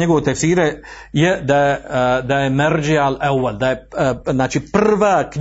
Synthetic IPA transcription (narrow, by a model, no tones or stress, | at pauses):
eɡoʋot̪eksiːɾe | jed̪ajed̪ajemeɾd͡ʒialeweld̪ajeznaːt͡ʃipr̩ʋaːkɲ